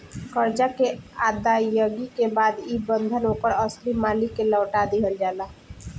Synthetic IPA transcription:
kəɾd͡ʒakead̪ajəɡikebad̪ibənd̪ʱənoːkəɾəslimaːlikːeləːʈad̪eɦəld͡ʒala

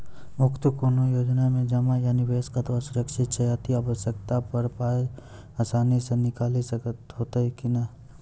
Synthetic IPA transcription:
mʊkt̪əpuɾnojoːd͡ʒnamẽd͡ʒɐmajaːniʋeːskat̪asʊɾəkʃɪt̪t͡ʃɐjaːt̪iaːʋəʃək̚t̪apɐɾpaːe | asaːnisenɪkaːlisɐt̪ɦoːt̪aɦɛkina

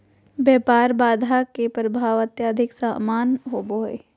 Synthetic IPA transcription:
bjɛːpaːɾbaːd̪ʱakepɾəbʱaːʋət̪jaːd̪ʱɪksaːmaːnɦoːboːḛ

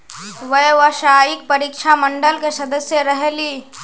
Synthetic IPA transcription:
ʋɐjʋaʃaːjik̚pɐɾiːkʃaməɳɖəlkesɐd̪əsjəɾɐɦeliː

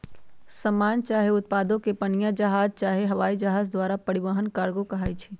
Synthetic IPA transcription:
səmaːnt͡ʃaːɦeʊt̪̚paːd̪õkepənijad͡ʒəɦaːd͡ʒt͡ʃaːɦeɦɐʋaːid͡ʒəɦaːzd̪waːɾapəɽɪʋəɦənkaːɽɡokɐɦaːit͡ʃʰi

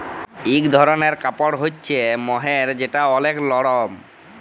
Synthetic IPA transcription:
ikd̪ʱɔɾoneɾkapoɽɦotːɕʰemɔɦeɾd͡ʑeʈaɔleklɔɽom

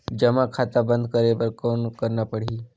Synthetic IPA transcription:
d͡ʒɐmakʰaːt̪abə̃nd̪̚kəɾebəɾkoːnkəɾnapəɽ̤iː

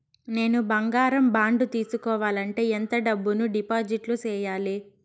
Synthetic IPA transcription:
ne̞ːnubɐŋɡaːɾɐmbaːɳɖut̪iːsukɔːʋaːlɐɳʈe̞ːent̪ɐɖɐbːunuɖipaːd͡ʒiʈlut͡ʃɛːjaːli

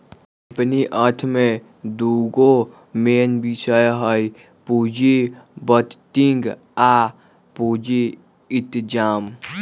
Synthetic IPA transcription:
pniʔəɾt̪ʰmẽ | d̪uɡo | meːnbisəjɦəj | pud͡ʒibət̪t̪iŋɡ | a | pud͡ʒi | it̪d͡ʒaːm

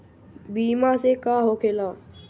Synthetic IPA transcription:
biːmãːseːkaːɦoːkʰeːlaː

